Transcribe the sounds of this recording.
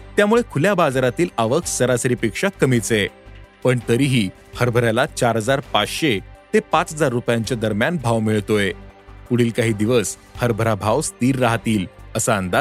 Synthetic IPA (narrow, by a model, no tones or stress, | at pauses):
t̪jamuɭekʰuljabad͡zɾat̪iːlaʋəkʰsəɾasɾipikʂakːəmit͡sepəɳt̪əɾiːɦiː | həɾbʱəɾjalat͡ɕaɾɦəd͡zaɾpat͡sɕet̪epat͡sɦəd͡zaɾːupjaɲt͡ɕjad̪əɾmjanbʱaʋmiɭt̪oepuɽ̤iːlkaɦiːd̪iʋəs | həɾbʱəɾabʱaʋst̪iːɾːaɦt̪iːləsaənd̪a